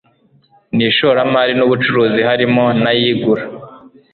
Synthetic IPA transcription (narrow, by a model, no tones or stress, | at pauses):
niːʃoːɾamaːɾinuβut͡ʃuɾuːzihaɾimo̞najiːɡuɾa